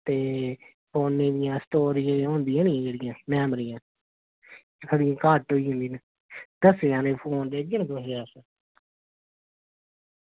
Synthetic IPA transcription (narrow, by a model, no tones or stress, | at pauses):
t̪eː | pʰoːnːẽːd̪ɪjãːst̪oːɾiːẽːõːnd̪ɪãːnɪjãːd͡ʒeːɽɪjãːmɛːmɾijãː | sʰəɽɪjãːkaːʈoːiːɦʊ̃nd̪iːne | d̪əseãːneːpʰoːnd͡ʒ̪eːɡənd̪oseaːsə